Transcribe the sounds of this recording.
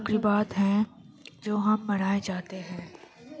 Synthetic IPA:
kɾibaːt̪ɦɛ̃ | d͡ʒoːɦɐmːɐɽ̃aːed͡ʒaːt̪eɦɛ̃ː

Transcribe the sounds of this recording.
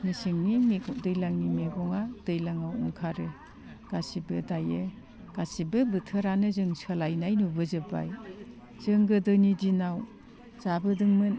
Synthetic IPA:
nisiŋninidɯjlaŋnimeɡɔŋad̥ɯjlaŋawɔ̰ŋkʰaɾɯ | ɡ̥asibɯdajɯ | ɡ̥asibɯbɯtʰɯɾanɯzɯŋsalajnajnubɯzɯba̰j | z̥ɯŋɡɯdɯnidinaw | z̥abɯdɯŋmɯn

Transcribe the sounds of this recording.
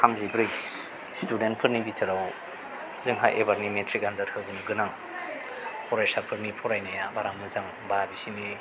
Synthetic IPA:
kʰamzibɾɯj | student̚pʰɯɾnibitʰɯɾaw | zɯŋɦa̰jʔḛbaɾnimetʰɾikɡandaɾhʰɯbɯnɯɡɯnaŋ | pʰɔɾajsaɾpʰɯɾnipʰɔɾajnajabaɾaŋmɯzaŋ | babisini

